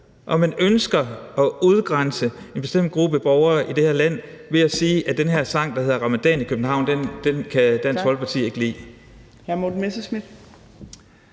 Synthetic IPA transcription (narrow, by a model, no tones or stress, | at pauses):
ʔɒ̽mænønsɡ̥ɐɒ̽uð̞ˠɡ̥ʁɑnsəe̝nb̥e̝sd̥em̰d̥̚ɡ̥ʁub̥əəb̥ɒʊɐːʔid̥e̝hæɐlæn̰ʋe̝æsiːʔæd̥enɦeɐ̰sɑ̈ŋ̰d̥ɑheðˠɐʁɑ̈mæd̥ɛ̰ːnikʰøb̥n̩ɦɑ̈ʊ̰nd̥end̥enkʰæd̥æn̰sɡʋɒ̽lɡ̥̚pʰɑ̈t͡sʰḭːe̝ɡ̥əlḭː | hæmod̥umesəsmid̥